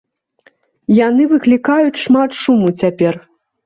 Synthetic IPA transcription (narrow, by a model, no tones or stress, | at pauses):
janɨvɨklʲikajut͡sʲʂmat̪ʂumut͡sʲapʲɛr